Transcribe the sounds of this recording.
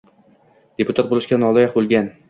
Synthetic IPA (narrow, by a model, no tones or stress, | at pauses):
d̪̥epʰʊt̪ʰat̪̚bolɪʃkʲanɒlɒjɒqbolˠɡʲan